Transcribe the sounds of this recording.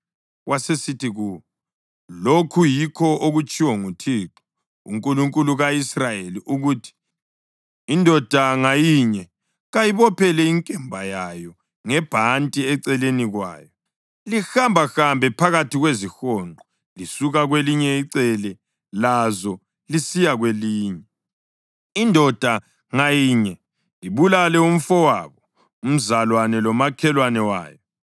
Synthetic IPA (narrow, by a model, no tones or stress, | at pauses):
wasesitiɣuwɔ | lokʰujikʰɔʔoɣut͡ʃʼiwɔŋutʰiːǁɔ̥ | ṵŋkʼuluŋkʼuluɣaisrajeliʔuɣuːtʰi̥ | ndʱɔd̥ʱaŋajiːɲɛ | ɣajiβɔpʰɛlɛiŋkʼɛmbʱajajɔ | ŋɛb̥ʱantʼiɛǀɛleniɣwa̰ːjɔ | lixambʱaxambʱɛpʰaɣatiɣwezixɔŋŋ͡ǃʱɔ | lisuɣaɣweliɲɛiǀɛlɛ | lazɔ | lisijaɣweliːɲɛ | indʱɔd̥ʱa | ŋajiɲɛ | liβulalɛum̩fɔwaːβɔ | um̩zalwanɛlɔmakʰɛlwanɛwa̰ːjɔ